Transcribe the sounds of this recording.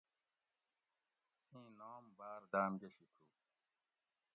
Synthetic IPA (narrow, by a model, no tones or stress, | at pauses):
ĩːnoːmbaːɾd̪aːmɡeɕikʰuː